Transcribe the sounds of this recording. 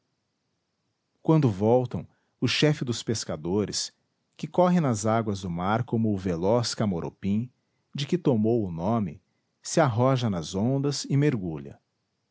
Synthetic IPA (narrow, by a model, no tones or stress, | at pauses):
kwɐ̃nd̪ʊvɔwt̪ɐ̃w̃ | ʊʃɛfɪd̪ʊspeskad̪oɾɪs | kɪkɔɦɪnɐzaɡwɐzd̪ʊmaɾkõmʊːvelɔskamoɾʔo̰pĩ | d͡ʒɪkɪt̪omowʊnõmɪ̰ | sɪaɦɔʒɐnɐzõnd̪ɐzɪmeɾɡuʎɐ̰